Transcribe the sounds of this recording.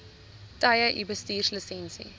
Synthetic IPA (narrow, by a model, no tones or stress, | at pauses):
tajəʔibəstiːrsləsɛ̃nsḭ